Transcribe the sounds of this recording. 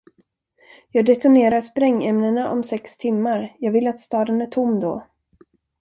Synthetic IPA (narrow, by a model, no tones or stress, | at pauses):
jɑːɡd̪ɛt̪ʊneːɾaɾʂpɾɛŋːɛmnənaʔɔmsɛkst̪ʰɪmːaɾjɑːɡvɪlːat̪st̪ɑːd̪ənæʈʰʊmːd̪ɔ